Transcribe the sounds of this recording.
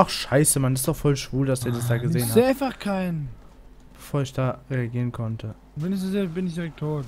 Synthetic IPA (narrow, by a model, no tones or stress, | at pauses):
ʔaχʃaɪsəmanɪstd̥ɔχfɔlʃv̥uːldasd̥iːɐdas̬d̥aːɡəzeːənaɪnfaχkʰaɪn | b̥əfoːɐɪçd̥aːʁeaɡiːʁənkʰɔntʰə | vɛnɪçzozeːbɪnɪçd̥iʁɛk̚tʰoːt